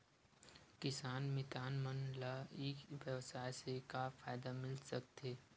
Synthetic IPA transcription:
kɪsaːnmɪt̪aːnmənlaiːkʋjəʋsaːjsekafaːɪd̪amɪlsɐk̚t̪eː

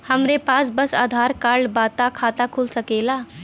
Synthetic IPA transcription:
həmɾepat͡sbəsa̰d̪ʱaɾkaɭbat̪akʰat̪akʰulsəkela

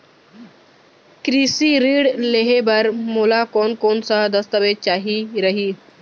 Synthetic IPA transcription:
kɾisiɾiːɽleɦebəɾmolakonkoːnsad̪əst̪əʋet͡ʃaːɦiɾəɦiː

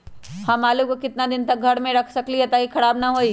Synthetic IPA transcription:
hãːmaːlukokɪt̪nad̪ɪnt̪ɐk̚ɡʱɐɽmẽɾɐkʰsɐkliɦɛt̪akikʰɐɽaːbnɐɦoːiː

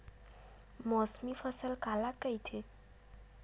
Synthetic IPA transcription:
mɔːsmifəsəlkaːlakːəit̪ʰe

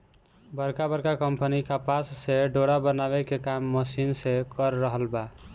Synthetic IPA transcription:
bəɾkabəɾkakəmpənikapasːeɖoɽabənabekekamːəsinsekəɾːəɦəlba

